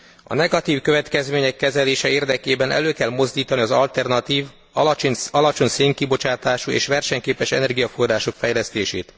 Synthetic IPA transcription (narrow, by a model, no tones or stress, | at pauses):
ɒ̰nɛɡɒt̪iːfkø̞vɛt̪kɛzmeːɲɛkːɛzɛleːʃɛeːrd̪ɛkeːbɛnɛ̰løːkɛlmo̞zd̪iːt̪ɒniɒzɒlt̪ɛrnɒt̪iːv | ɒlɒt͡ʃo̞ɲseːŋkibo̞t͡ʃaːt̪aːʃuḛːʃʋɛrʃɛɲkeːpɛʃɛnɛrɡijɒforraːʃo̞kfɛjlɛst̪eːʃeːt̪